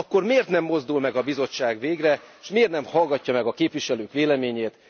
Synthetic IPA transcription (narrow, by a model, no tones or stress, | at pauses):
ɒkːo̞rmeːrt̪nɛmːo̞zd̪ulmɛɡɒbizo̞t͡ʃːaːɡʋeːɡrɛʃmeːrt̪nɛmhɒlɡɒcːɒmɛɡɒkeːpʋiʃɛløːkʋeːlɛmeːɲeːt̪